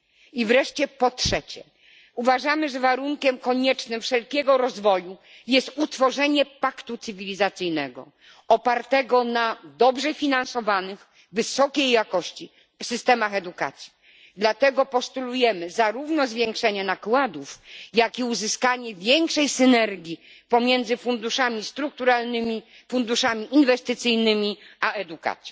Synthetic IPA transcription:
ivɾɛʂt͡ɕɛpɔtʂɛt͡ɕɛ̰ | uvaʐamɘʐɛvaɾuŋkʲɛmkɔɲɛt͡ʂnɘmfʂɛlkʲɛɡɔɾɔzvɔju | jɛst̪ut̪fɔʐɛɲɛpakt̪ut̪sɘvʲilʲizat̪sɘjnɛɡɔ̰ | ɔpaɾt̪ɛɡɔnad̪ɔbʐɛfʲinansɔvanɘx | vɘsɔkʲejːakɔɕt͡ɕi | fsɘst̪ɛmaxɛd̪uka̰t̪sʲji̥ | d̪lat̪ɛɡɔpɔst̪ulujɛmɘzaɾuvnɔzvʲjɛŋkʂɛɲɛnakwad̪ufjakiuzɘskaɲɛvʲjɛŋkʂɛjsɘnɛɾɡʲi | pɔmʲjɛnd̪zɘfund̪uʂamʲist̪ɾuk̚t̪uɾalnɘmʲi | fund̪uʂamʲiʔinvɛst̪ɘt̪sɘjnɘmʲiaɛd̪uka̰t̪sʲji

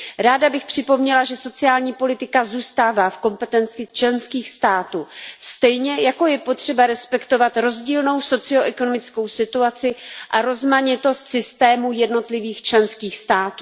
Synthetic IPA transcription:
ɾaːdabɪxpr̝̥ɪpo̞mɲɛlaʒɛso̞t͡sɪaːlɲiːpo̞lɪt̪ɪkazuːst̪aːvaːfko̞mpɛt̪ɛnt͡sɪt͡ʃlɛnskiːxst̪aːt̪uːst̪ɛjɲɛjako̞jɛpo̞t̪r̝̥ɛbaɾɛspɛkt̪o̞vat̪ɾo̞zɟiːlno̞wso̞t͡sɪo̞ʔɛko̞no̞mɪt͡sko̞wsɪt̪uat͡sɪʔaɾo̞zmaɲɪt̪o̞st̪sɪst̪ɛːmujɛdno̞t̪lɪviːxt͡ʃlɛnskiːxst̪aːt̪uː

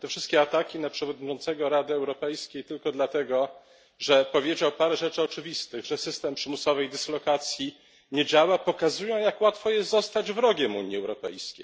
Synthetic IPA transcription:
t̪ɛfʂɘst̪kʲɛat̪akʲinapʂɛvɔd̪̚ɲit͡ʂɔnt̪sɛɡɔɾad̪ɘɛwɾɔpɛjskʲejt̪ɘlkɔd̪lat̪ɛɡɔ | ʐɛpɔvʲjed͡ʑawpaɾɛʐɛt͡ʂɘɔt͡ʂɘvʲist̪ɘɣʐɛsɘst̪ɛmpʂɘmusɔvɛjd̪ɘslɔkat̪sʲji | ɲed͡ʑawapɔkazujɔ̃w̃jakwat̪fɔjɛst̪zɔst̪ad͡ʑvɾɔɡʲɛmṵɲjiɛwɾɔpɛ̰jskʲḛj

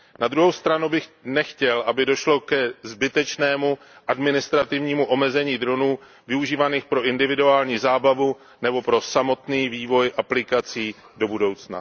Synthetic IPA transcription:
nad̪ɾuɦowst̪ɾanubɪxnɛxcɛlʔabɪdo̞ʃlo̞kɛzbɪt̪ɛt͡ʃnɛːmu | ʔadmɪnɪst̪ɾat̪ɪvɲiːmuʔo̞mɛzɛɲiːd̪ɾonuː | vɪuʒiːvaniːxpɾo̞ʔɪndɪvɪduaːlɲiːzaːbavu | nɛbo̞pɾo̞samo̞t̪niːviːvo̞jʔaplɪkat͡siː | do̞budo̞wt͡sna̰

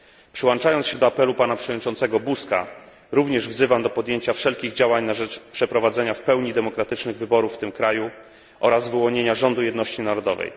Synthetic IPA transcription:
pʂɘwɔnt͡ʂajɔnt̪ɕɛd̪ɔapɛlupanapʂɛvɔd̪ɲʲit͡ʂɔnt̪sɛɡɔbuska̰ | ɾuvɲɛʐvzɘvamd̪ɔpɔd̪jeɲt͡ɕafʂɛlkʲiɣd͡ʑawaɲnaʐɛt͡ʂpʂɛpɾɔvad̪zɛɲafpɛwɲid̪ɛmɔkɾat̪ɘt͡ʂnɘɣvɘbɔɾufːt̪ɘmkɾaju | ʔɔɾazvɘwɔɲeɲaʐɔnd̪ujɛd̪nɔɕt͡ɕinaɾɔd̪ɔvɛ̰j

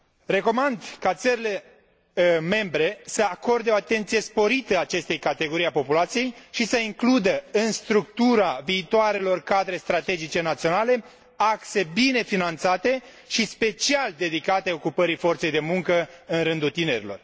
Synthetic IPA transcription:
re̞ko̞mand̪kat̪səɾile̞ | me̞mbɾe̞səako̞rd̪eo̞at̪e̞nt̪sije̞spo̞ɾit̪əaːt͡ʃe̞st̪ejkat̪e̞ɡo̞ɾijapo̞pulat̪sije̞jʃisəiŋklud̪əɨnst̪ɾuk̚t̪uɾaviːt̪oaɾe̞lo̞rkad̪ɾe̞st̪ɾat̪e̞d͡ʒit͡ʃe̞nat̪sio̞nale̞ | akse̞bine̞finant̪sat̪e̞ | ʃispe̞t͡ʃiald̪e̞d̪ikat̪eo̞kupəɾifo̞rt̪se̞jd̪e̞muŋkəɨnɾɨnd̪ult̪ine̞ɾilo̞r

